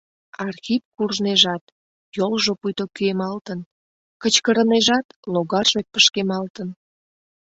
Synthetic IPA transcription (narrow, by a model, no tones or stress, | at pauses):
ɑrxipkurʒneʒɑt̪ | jolʒopujt̪okyemɑlt̪ən | kət͡ɕkəɾəneʒɑt̪loɣɑrʒek̚pəʃkemɑlt̪ən